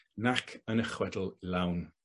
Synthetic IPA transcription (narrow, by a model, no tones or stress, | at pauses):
nakʰənəχwɛdl̩ˠlawn